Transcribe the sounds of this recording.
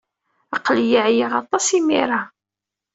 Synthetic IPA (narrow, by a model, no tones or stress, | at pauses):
ɑqːljiʕjiʁɑt̪ˤːɑsimḭɾɑ